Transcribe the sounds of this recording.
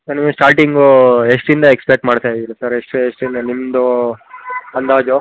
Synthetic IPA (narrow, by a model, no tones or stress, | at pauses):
sɐnimusʈaːɾʈiŋɡoeʂʈind̪ɐekspek̚ʈmaːɽt̪aːjd̪ilɐsɐɾeʂʈeʂʈind̪ɐnimd̪o | ɐnd̪aːd͡ʒo